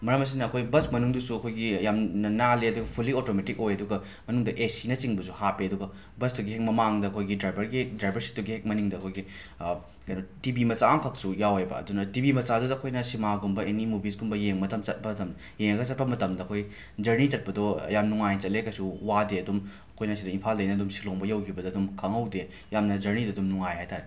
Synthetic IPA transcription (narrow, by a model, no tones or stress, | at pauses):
mɐɾɐmɐs̬inɐːkʰojbɐsmɐnuŋdusuɐkʰojɡiɐjamnɐnaleɐduɡɐpʰulːiotometikojɐduɡɐ | mɐnuŋdɐʔesinɐt͡ʃiŋbɐsuhapiɐduɡɐ | bɐstuɡiɦek̚mɐmaŋdɐɐkʰojɡidɾajbɐɾɡidɾajbɐɾsi̥tuɡihek̚mɐniŋdɐkʰojɡi | kɐjnotibimɐsaːŋkʰɐk̚sujawajbɐ̰ɐ̰dunɐtibimɐt͡ʃadudɐkʰojnɐsimaɡumbɐenimubisɡumbɐjeŋmɐtʰɐmt͡ʃɐt̚pɐtɐm | jeŋɐɡɐt͡ʃɐt̚pɐmɐtɐmdɐɐkʰoj | d͡ʒɐɾnit͡ʃɐt̚pɐdɔɐ̰jamnuŋajt͡ʃɐtlekɐjsuwadeɐdum | ɐkʰojnɐs̬idɐinpʰaldɐjnɐdumsi̥loŋbɐjɐwkʰibɐdoɐdumkʰɐŋɐwde | jamnɐd͡ʒɐɾnidoɐdumnuŋajhajtaɾe